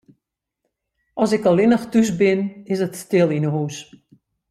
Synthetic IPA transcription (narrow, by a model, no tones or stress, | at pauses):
ʔɔsɪkɔlˠɪnəxtys̬bɪnɪsətstɪlˠinəɦuːs